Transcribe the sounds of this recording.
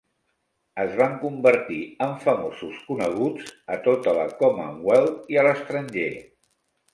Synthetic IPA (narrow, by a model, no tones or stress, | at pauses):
əzβaŋkumbəɾt̪iəɱfəmosuskunəɣ̞ud͡zət̪ot̪ələ̰kɔmə̰wɛliələst̪ɾəɲʒe